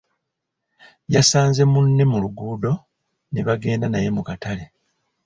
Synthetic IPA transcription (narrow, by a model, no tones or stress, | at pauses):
jasaːnze̞munːe̞muluɡuːdo̞ | ne̞βaɡe̞ːndanaje̞mukatale̞